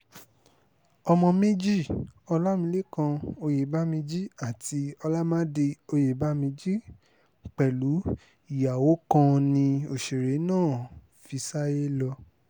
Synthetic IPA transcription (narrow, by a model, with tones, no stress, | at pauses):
ɔ˧mɔ̃˧me˦d͡ʒi˦˨ɔ˧la˦mĩ˧˦le˦kã˧o˧je˨ba˦mẽ˧d͡ʒi˦a˦˨ti˧ɔ˧la˦mãː˦de˧o˧je˨ba˦mẽ˧d͡ʒi˦ | k͡pɛ˨lu˨˦ | i˦˨ja˨wo˨˦kã˧nĩ˧o˨ʃe˨ɾe˨˦nãː˦˨ | fi˧sa˦je˦lɔ˧